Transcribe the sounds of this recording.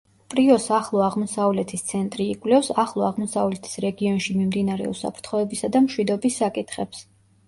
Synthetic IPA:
pʼɾiɔsaχlˠɔaʁmɔsavlɛt̪ʰist̪sʰɛnt̪ʼɾiːkʼvlɛfsaχlˠɔaʁmɔsavlɛt̪ʰi̥sɾɛɡiɔnʃimimd̪inaɾɛ̰ṵsa̰pʰɾt̪ʰχɔɛbisad̪amʃwid̪ɔbisːakʼit̪ʰχɛps

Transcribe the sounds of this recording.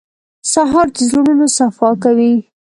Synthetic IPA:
saɦɑɾd̪əzlununosafɑkawi

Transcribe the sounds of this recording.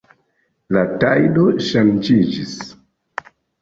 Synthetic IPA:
latajdoʃand͡ʒid͡ʒis

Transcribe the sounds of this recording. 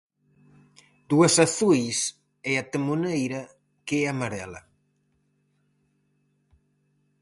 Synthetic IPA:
d̪uɐsaθujs | eat̪emunejɾɐ | keamaɾɛlɐ̰

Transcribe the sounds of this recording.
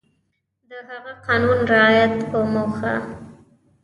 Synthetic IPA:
d̪əɦaɣaqɑnunɾɪɑjat̪pomoxa̰

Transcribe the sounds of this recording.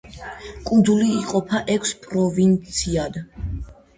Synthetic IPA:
kʼund̪zuliːqʼɔpʰaʔɛkʰspʼɾɔvint̪sʰiad̪

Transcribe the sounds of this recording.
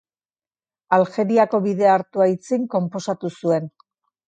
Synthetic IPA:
alxe̞ɾiako̞βiðe̞aɾt̪uajt͡siŋko̞mpo̞sat̪usue̞n

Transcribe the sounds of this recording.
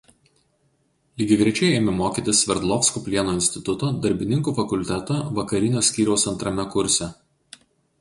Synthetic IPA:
lʲɪɡʲɪɡʲɾʲiɛt͡ʃʲɛɪeːmʲɪmoːkʲit̪ʲɪsʋʲɛɾd̪lˠɔːfskuːpʲlʲiɛnoːɪnʲsʲt̪ʲɪt̪ʊt̪oːd̪ɐɾʲbʲɪnʲɪŋkuːfɐkʊlʲt̪ʲɛt̪oːʋɐkɐɾʲɪnʲoːsʲkʲiːɾʲɛʊsɐnt̪ɾɐmʲɛkʊɾʲsʲɛ

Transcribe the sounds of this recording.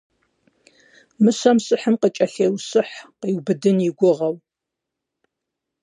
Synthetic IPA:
mɨɕɐmsʼɨħəmqət͡ʃʼɐɬeːwsɨħqiːwbɨdɨnjɪɡʷʊʁɐw

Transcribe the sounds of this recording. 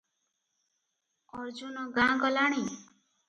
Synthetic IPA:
ɔɾd͡ʒunɔɡãɡɔlaɽ̃i

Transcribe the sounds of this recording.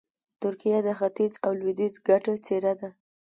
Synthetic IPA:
t̪ʊɾkijad̪əxat̪izawlwid̪izɡaʈat͡seɾad̪a

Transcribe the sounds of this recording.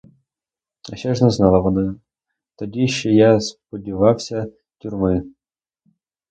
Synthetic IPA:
ɐʃɛʒnɛznɑlˠɐʋɔnɑ | t̪ɔdʲiʃt͡ʃɔjaspɔdʲiʋɑwsʲɐ | tʲʊrmɪ

